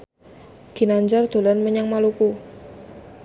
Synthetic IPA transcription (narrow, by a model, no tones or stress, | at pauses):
ɡ̥i̤naɲd͡ʒɔrd̪̥o̤lanməɲaŋmaluku